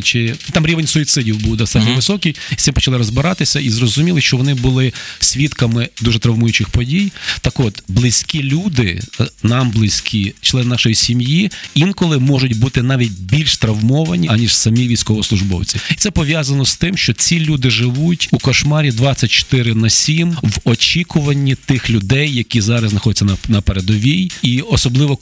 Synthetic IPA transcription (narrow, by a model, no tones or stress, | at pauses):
t͡ʃɪt̪ɑmɾʲiʋenʲsʊit̪sɪdʲiwbuwd̪ɔst̪ɑtʲnʲɔʋɪsɔkʲij̪ʲɪpɔ̥t͡ʃɐlˠɪɾɔzbɪɾɑt̪ɪsʲɐizrɔzʊmʲilˠɪʃt͡ʃɔʋɔnɪbʊlˠɪsʲʋʲit̪kɐmɪd̪uʒɛt̪ɾɐwmujʊt͡ʃɪxpɔdʲijt̪ɐkɔt̪blˠɪsʲkʲilʲud̪ɪ̰nɑmblˠɪsʲkʲʰit͡ʃlˠɛnnɑʃɔjisʲimjiinkɔlˠɪmɔʒʊtʲbut̪ɪnɑʋʲit̚ʲbʲilʲʃt̪ɾɐʋmɔʋɐnʲiɐnʲiʒ̥sɐmʲiʋʲijsʲkɔʋɔslˠʊʒbɔ̰wt͡sʲiit̪sɛpɔʋʲjazɐnɔst̪ɪmʃt͡ʃɔt͡sʲilʲud̪ɪʒɪʋutʲukɔʃmɑɾʲid̪ʋɑt͡sʲːɐt̚ʲt͡ʃɔ̥t̪ɪɾɪnɐsʲimʋɔt͡ʃʲikʊʋɐnʲːit̪ɪxlʲʊd̪ɛjːɐkʲizɑɾɐsznɐxɔdʲɛt͡sʲːɐnɐnɐpeɾed̪ɔʋʲijiɔsɔblˠɪʋɔ